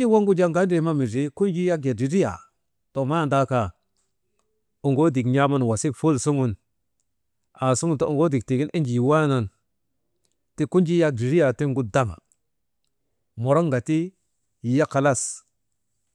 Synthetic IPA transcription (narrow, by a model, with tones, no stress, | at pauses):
i˦wa˦ŋɡu˦d͡ʒa˦ŋɡa˦ndi˨˦ma˦mi˨d͡ʒi˦ku˦nd͡ʒi˦ja˦kja˨di˨ɾi˦ja̰˨ | to˨ma˦˨nda˦ka˨ | u˨ŋɡo˦di˨kɲa˦ma˦n˨wa˨si˦fu˦lsu˦ŋu˦n | a˨su˦ɡu˦nto˦˨u˨ŋɡo˦di˨k̚ti˨ɡi˦nʔi˦nd͡ʒi˨jwa˦na˨n | ti˦ku˦nd͡ʒi˦ja˦k̚di˨ɾi˦ja˨ti˦ŋɡu˦da˦ma̰˨ | mo˨ɾo˦ŋɡa˨ti˦˨ | ja˦ka˨la˦s